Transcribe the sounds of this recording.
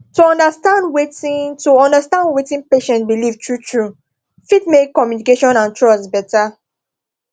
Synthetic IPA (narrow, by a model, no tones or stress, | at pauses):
tuɔ̃ndastãndwetĩtuɔ̃ndastãndwetĩnpeʃɛ̃ntbilivtɹutʰɹu | fitmekːɔmjunikeʃɔ̃nãntɹɔsbɛta